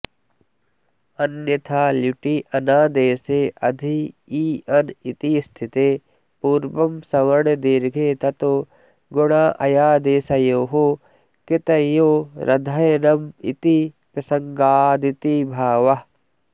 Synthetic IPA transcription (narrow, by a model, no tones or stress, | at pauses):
ɐnjɐt̪ʰaːluʈiʔɐnaːd̪eːseːʔɐd̪ʱiiːɐnit̪ist̪ʰɪt̪eː | puːɾbɐmsɐʋɐɾɽd̪iːɾɡʱeːt̪ɐt̪oː | ɡʊɽ̃aːʔɐ̰jaːd̪eːsɐjoːɦo | ket̪ɐjoːɾʔɐd̪ʱanɐmḭt̪i | pɾɐsɐŋɡaːd̪it̪ibʱaːʋɐ